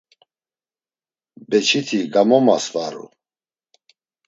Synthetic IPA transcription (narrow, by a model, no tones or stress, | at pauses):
bɛt͡ʃʰit̪ʰiɡamɔma̰svaɾṵ